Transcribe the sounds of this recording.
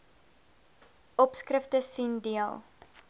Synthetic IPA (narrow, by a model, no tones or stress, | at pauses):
ɔpskrəftəsindiəlˠ